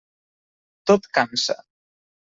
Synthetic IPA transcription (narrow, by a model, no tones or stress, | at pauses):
t̪ot̪kansə̰